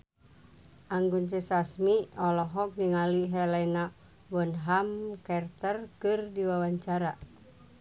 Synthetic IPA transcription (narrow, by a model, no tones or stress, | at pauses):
aŋɡunt͡ʃɛsasmiɔlɔɦɔk̚diŋaliɦɛlɛna | wɔnɦamkɛrt̪ərkɨrdiwawaɲt͡ʃaɾa